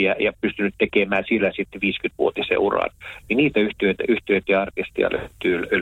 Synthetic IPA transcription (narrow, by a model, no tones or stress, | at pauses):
jæjɑpyst̪ynyt̪t̪ekemæːsielːæsit̪ːeʋiːskyt̪ʋuot̪isḛurɑ̰nniniːt̪æyht̪yøt̪æyht̪yøet̪jɑɑrt̪ist̪ḭɑ̰lø̰et̪ːyːly